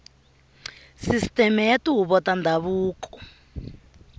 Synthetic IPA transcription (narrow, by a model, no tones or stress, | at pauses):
sistɛmɛjatuɦuβɔtandʱaβuːkɔ̥